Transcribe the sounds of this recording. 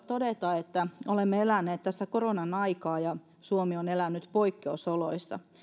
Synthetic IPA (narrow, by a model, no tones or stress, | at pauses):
t̪odet̪ɑet̪ːæolemːeelænːˑeːt̪t̪æsːækoronɑnɑikɑːjɑ | suomionelænːyt̪poikːeusoloisːɑ̰